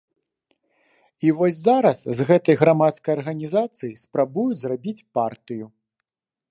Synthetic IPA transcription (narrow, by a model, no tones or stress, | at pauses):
ivɔsʲzaɾɐszɣɛt̪ɐjɣɾamat̪skɐjɐrɣɐnʲizat̪sɨjispɾabujud͡zʲzrabʲit͡sʲpart̪ɨju